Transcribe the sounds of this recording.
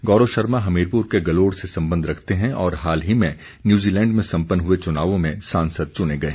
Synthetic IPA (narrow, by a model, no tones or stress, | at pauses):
ɡɔːɾoʃɐɾmaɦɐmeːɾpuːɾkeɡɐloːɽsesɐ̃mbə̃nd̪ʱɾɐkʰt̪eɦɛ̃ʔɔːɾɦaːlɦimɛ̃ | njuːziːlɛ̃ːɳɖmẽsɐ̃mpənɦʊet͡ʃʊnaːʋõmẽsãːnsəd̪̚t͡ʃʊneɡɐeː